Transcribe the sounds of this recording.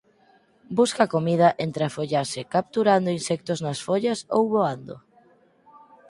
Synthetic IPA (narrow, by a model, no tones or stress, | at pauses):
buskakomiðɐʔent̪ɾafoʎaɾsɪkap̚t̪uɾand̪oʊinsɛk̚t̪oznasfoʎɐso̰wβoand̪o̰